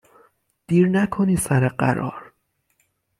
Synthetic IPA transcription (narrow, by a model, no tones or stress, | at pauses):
d̪̥iːɾnækʰoniːsæɾeɢæ̰ɾɒ̰ːɾ